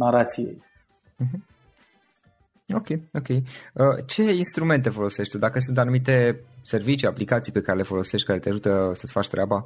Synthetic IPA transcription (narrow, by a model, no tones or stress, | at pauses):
naɾat̪sijḛj | m̩ɦm̩ | o̞kʲe̞jo̞kʲe̞jət͡ʃe̞inst̪ɾume̞nt̪e̞fo̞lo̞se̞ʃt̪ʲt̪ud̪akəs̬unt̪anumit̪e̞se̞rvit͡ʃiaplikat̪sijpe̞kaɾe̞le̞fo̞lo̞seʃt̪̚ʲkaɾe̞t̪eaʒut̪əsət̪sfat͡ʃʲt̪ɾʲʔaba